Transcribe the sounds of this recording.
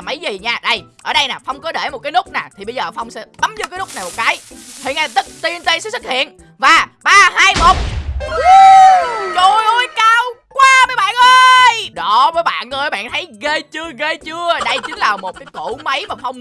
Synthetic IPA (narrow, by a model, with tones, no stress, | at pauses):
mə˨˦jzi˨˩ɲaː˧ɗə˧˩jʔəː˧˩ɗə˧jnaː˨˩fɔ˧wŋ͡mkɔ˨˦ɗe˧˩mo˨˩t̚kaː˨˦nʊ˦˥k͡p̚naː˨˩t̪ʰi˨˩ɓə˧zəː˨˩˧fa˧wŋ͡msɛ̰˧˥t̪ə˨˦mzɨ˧˦kaː˨˦lʊ˦˥k͡p̚na˨˩mo˨˩t̚kaː˨˦jt̪ʰḭ˨˩˨na˧˩t̪ɨ˦˥t̚t̪i˧ənt̪e˧˦sɛ̰˧˥sɨ˦˥k̚hḭ˧˨ən | vaː˨˩ɓaː˧haː˧jmo˨˩k͡p̚ː | zo˨˩jʔə˧jkaː˧wkwaː˧məː˨˦jɓa̰ː˧˨nʔə˧jɗɔ˨˦vəː˨˦jɓa̰ː˧˨nːə˧˦ɓa̰ː˧˨nt̪ʰə˨˦jɣəː˧jt͡ɕɨ˧əɣə˧jt͡ɕɨ˧əɗə˧jt͡ɕï˨˦ŋ̟laː˨˩mo˨˩t̚kaː˨˦jku˧˩mə˨˦jmaː˨˩fɔ˧wŋ͡m